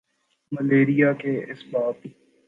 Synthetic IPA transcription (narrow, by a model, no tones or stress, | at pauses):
məleːɾijakeɪsbaːt̪i